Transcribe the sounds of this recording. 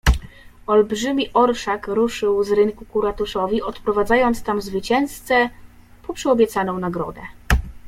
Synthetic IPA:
ɔlbʐɘmʲiʔɔɾʂakɾuʂɘwzɾɘŋkukuɾat̪uʂɔvʲiʔɔt̪pɾɔvad̪zajɔnt̪st̪amvzvɘt͡ɕɛñst̪sɛ | pɔpʂɛɔbʲjɛt̪sanɔ̃w̃naɡɾɔ̰d̪ɛ

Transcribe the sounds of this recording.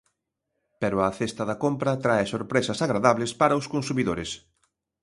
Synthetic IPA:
pɛɾʊɐθest̪ɐðɐkompɾɐt̪ɾaesoɾpɾesɐsaɣɾaðaβlespaɾɐʊskonsumiðoɾes

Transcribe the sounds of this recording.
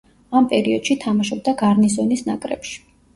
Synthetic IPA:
ampʼɛɾiɔd̪̥ʃit̪ʰamaʃɔb̚d̪aɡaɾnisɔnisnakʼɾɛ̰pʃi̥

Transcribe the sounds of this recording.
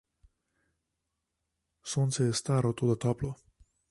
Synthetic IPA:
soːnt̪sɛjɛst̪aːɾɔt̪oːd̪at̪ɔːplɔ

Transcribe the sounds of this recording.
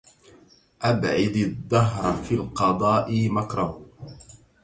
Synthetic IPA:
ʔabʕɪd̪ad̪ːɑɦɾˤfilqɑd̪ˤɑːʔɪmakɾˤah

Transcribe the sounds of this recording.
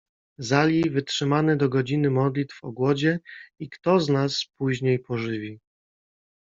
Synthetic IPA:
zalʲivɘtʂɘmanɛd̪ɔɡɔd͡ʑinɘmɔd̪lʲit̪fɔ̰ɡwɔd͡ʑɛikt̪ɔznaspuʑɲejpɔʐɘvʲi

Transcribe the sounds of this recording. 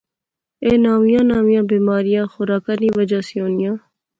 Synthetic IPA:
eːnaːmijãːnaːmijãːbiːmaːɾijãːxʊɾaːkaːnĩːʋəd͡ʒaːsijoːnijãː

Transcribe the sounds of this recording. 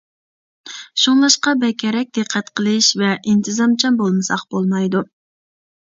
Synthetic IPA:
ʃuŋlˠɑʃqɑbɛkʲʰɛɾɛk̚ʲd̪̥ɨqʰːɛt̪qʰəlˠɨʃvɛʔint̪ʰɨzɑmt͡ʃʰɑmbolˠmɨsɑqb̥olˠmɑjd̪u

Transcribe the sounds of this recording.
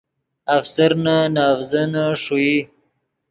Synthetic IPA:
afsaɾnanɑːvzanaʂui

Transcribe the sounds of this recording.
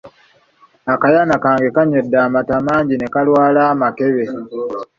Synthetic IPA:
akajanakaːŋɡe̞kaɲedːaːmatamaːɲɟine̞kalwaːlaːmake̞βe̞

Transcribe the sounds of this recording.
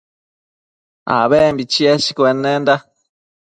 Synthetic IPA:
a̰βɛmbit͡ʃiɛʃi̥kwenːend̪a

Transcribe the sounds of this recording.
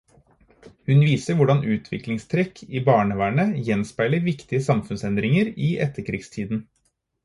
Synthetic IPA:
hʉnʋiːsəɾʋʊɖɑnʔʉːt̪ʰʋɪ̰klɪŋst̪ʰɾɛkʰiːbɑːɳəʋæːɳəjɛnspæɪləɾʋɪkt̪ɪəsɑmfʉnsɛnd̪ɾɪŋəɾiːʔɛt̪ːəɾkʰɾiːɡst̪ʰiːd̪n̩

